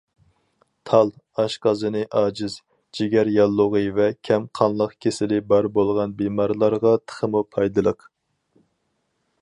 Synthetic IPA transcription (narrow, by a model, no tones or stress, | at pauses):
t̪ʰɑlˠ | ɑʃqɑzɨnɨʔɑːd͡ʒɪz | d͡ʒiɡʲɛɾjɑlˠːʊʁəvɛkʲʰɛmqʰɑnlˠəqkʲʰesɪlɪbɑɾbolˠʁɑnbemɑɾlˠɑɾʁɑt̪ʰə̥χəmupʰɑjd̪ɨlˠəq